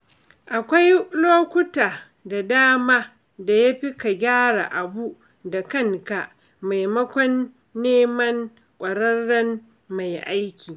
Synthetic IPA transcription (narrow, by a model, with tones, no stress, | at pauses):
ʔa˨kʷa˦jloː˦kʷʊ˦taː˨ | da˨daː˦maː˦ | da˨ja˦ɸɪ˦ka˨ɡʲaː˦ɽa̰˨ʔa˨bu˦ʔ | da˨kɐ˦ŋka˨ʔ | ma˨jmɐ˦kʷɔ˦nː | eː˦mɐ˦n | kʷʼɐ˨ɾɐ˦rːɐ˦m | ma˨jʔa˦jkʲiː˨